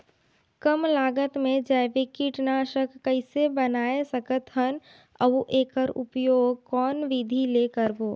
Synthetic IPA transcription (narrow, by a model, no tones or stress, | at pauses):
kəmlaːɡət̪mẽd͡ʒaɪʋekiʈnaːʃəkːəɪsebənaːesəkət̪ɦən | əʋuʔeːkəɾʊ̰pjoːɡ̚kɔːnʋid̪ʱileːkəɾboː